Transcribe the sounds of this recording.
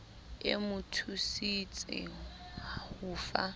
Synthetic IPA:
ɪ̰mʊtʰusit͡sʼɪ̰ | ahʊːfa

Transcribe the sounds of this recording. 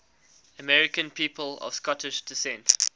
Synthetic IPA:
əmɛɹɪkə̃npʰiːpəlɔ̰v̥skɔtʰɪʃd̥ɪsɛ̃nt

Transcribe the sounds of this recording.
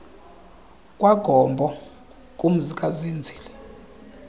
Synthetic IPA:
kʼwaɡ̥ʱɔmbʱɔ | kʼum̩zikʼazind͡zʱiːlɛ

